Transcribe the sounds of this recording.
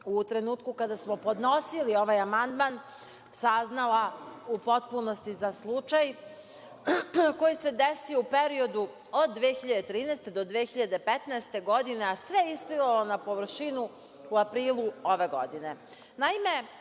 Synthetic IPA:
ut̪ɾe̞nuːt̪kukad̪asmo̞po̞d̪no̞silio̞ʋajamand̪man | saznalaupo̞t̪̚punost̪izaslˠut͡ʃaj | ko̞jise̞d̪esiupeɾio̞d̪u | od̪ːʋeːxiʎad̪et̪ɾiːnɛːst̪e̞d̪od̪ʋeːxiʎad̪e̞pet̪nɛest̪e̞ɡo̞d̪ine̞asʋeisplilalonapo̞ʋɾ̩ʃinu | uapɾiːlˠuo̞ʋe̞ɡo̞̰d̪ine̞ | naime̞

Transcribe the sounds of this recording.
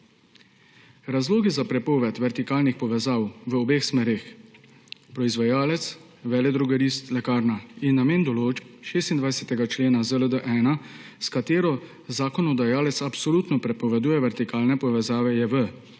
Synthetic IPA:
ɾazloːɡizapɾɛpɔʋɛt̪ʋɛɾt̪ikaːlnixpɔʋɛzaːwʋəɔbeːxsmɛːɾex | pɾɔizʋajaːlɛt̪s | ʋɛːlɛd̪ɾuɡɛɾiːst̪lɛkaːɾnainːameːnd̪ɔloːt͡ʃp̚ʃeːst̪ind̪ʋajsɛt̪ɛɡat͡ʃleːnazələd̪əʔɛːnaskat̪eːɾɔ | zaːkɔnɔd̪ajaːlɛt̪sapsɔlut̪nɔpɾɛpɔʋɛd̪uːjɛʋɛɾt̪ikaːlnɛpɔʋɛzaːʋɛjɛʋə

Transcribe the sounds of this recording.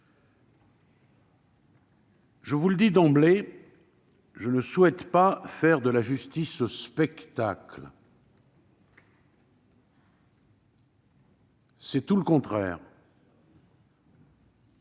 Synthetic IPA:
ʒəvuləd̪id̪ɑ̃ble | ʒənəswɛt̪pafɛʁd̪əlaʒyst̪isəspɛkt̪akl | sɛt̪uləkɔ̃t̪χɛ̰ːʁ

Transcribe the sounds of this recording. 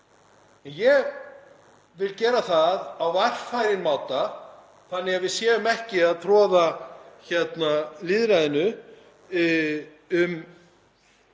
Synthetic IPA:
ɛnjɛɣ | vɪlcɛːɾaθaðawvajr̥fajɾɪnmaːwt̪a | θanːɪɣavɪðsjɛːʏmɛhcɪaðθʰɾɔːðaçɛt̪nalɪːðɾaːðɪnʏ | ʏm

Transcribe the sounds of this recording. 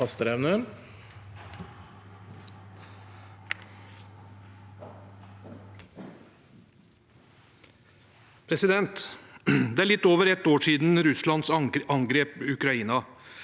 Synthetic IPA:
ɑst̪əɾɛʋnə | pʰɾɛsɪd̪ɛnt̪ | d̪ɛæːɭɪt̪ːoːʋəɾɛt̪ːoːʂiːd̪n̩ɾʉslɑnd̪sɑŋɡɾeːpʉkɾɑiːnɑ

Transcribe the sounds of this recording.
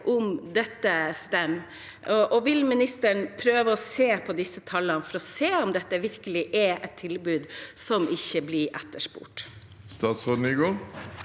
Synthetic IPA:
ʔʊmd̪ɛt̪ːəst̪ɛmː | ɔʔɔʋɪlmɪnɪst̪əɳpʰɾøːʋəɔseːpʰɔd̪ɪsːət̪ʰɑlːənfɔɾɔseːɔmd̪ɛt̪ːəʋɪɾkəlɪʔɛɛt̪ʰːɪlbʉːd̪sɔmʔɪçːəblɪɾʔɛt̪ːəʂpṵːʈ | st̪ɑːt̪sʁoːd̪n̩ɪɡoːɾ

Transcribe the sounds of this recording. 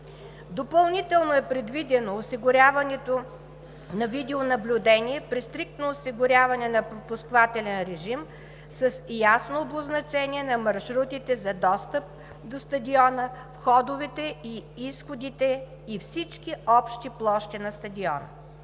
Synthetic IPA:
d̪opɐlˠnit̪ɛlˠnoɛpɾɛd̪vid̪ɛnoːsiɡʊɾʲavɐnɛt̪o | nɐvid̪ɛonɐblʲʊd̪ɛniɛpɾist̪ɾik̚t̪noːsiɡʊɾʲavɐnɛnɐpɾopʊskvat̪ɛlɛnɾɛʒim | səsjasnoːboznɐt͡ʃɛniɛnɐmɐɾʃɾut̪it̪ɛzɐd̪ɔst̪əp̚ | d̪ost̪ɐd̪iɔnəfxɔd̪ʊvɛt̪ɛiisxʊd̪it̪ɛ | ifsit͡ʃkiɔpʃt̪iplˠɔʃt̪ɛnɐst̪ɐd̪iɔ̰nə̰

